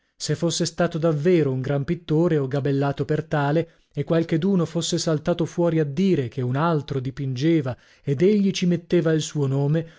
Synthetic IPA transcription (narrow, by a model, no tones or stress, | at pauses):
sefːosːest̪aːt̪od̪avːeːɾouŋɡɾampit̪ːoːɾeoɡabelːaːt̪opert̪aːle | ekːwalk̟ed̪uːnofosːesalt̪aːt̪ofwɔːɾiad̪ːiːɾekʰeunalt̪ɾod̪ipind͡ʒeːva | ed̪eʎːit͡ʃimet̪ːeːvailsuːonoːme